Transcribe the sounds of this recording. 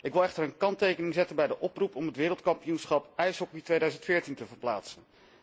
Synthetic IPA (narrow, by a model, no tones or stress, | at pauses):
ɪkʋɪlˠɛχtəɹənkɑntejkənɪŋzɛtənbɛjdəʔɔprupɔmətʋɪːɾəlˠtkɑmpijunsχɑpɛjsɦɔkitʋejdœɥzəntfɪːɹtintəvəɹplaːtsən